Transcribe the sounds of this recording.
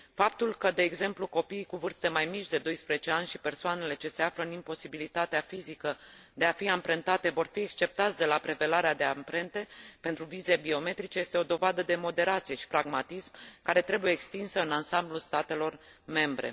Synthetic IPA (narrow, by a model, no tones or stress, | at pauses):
fap̚t̪ulkəd̪e̞ːɡze̞mpluko̞piːkuvɨrst̪e̞majmit͡ʃʲd̪e̞d̪o̞jspɾezet͡ʃeanʲʃipe̞rsoane̞le̞t͡ʃe̞se̞afləɨnimpo̞sibilit̪at̪eafizikəd̪e̞afiampɾent̪at̪e̞vo̞rfiekst͡ʃe̞p̚t̪at̪sʲd̪e̞lapɾe̞ve̞laɾead̪e̞ampɾe̞nt̪e̞pent̪ɾuvize̞bio̞me̞t̪ɾit͡ʃe̞je̞st̪e̞o̞d̪o̞vad̪əd̪e̞mo̞d̪e̞ɾat̪sije̞ʃi̥pɾaɡmat̪ismkaɾe̞t̪ɾe̞buje̞ːkst̪insəɨnansamblulst̪at̪e̞lo̞r | me̞mbɾḛ